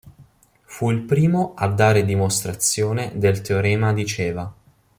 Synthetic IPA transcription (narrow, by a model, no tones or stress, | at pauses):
fuilpɾiːmoad̪ːaːɾed̪imost̪ɾat̪sːjoːned̪elt̪eoɾɛːmad̪it͡ʃeːva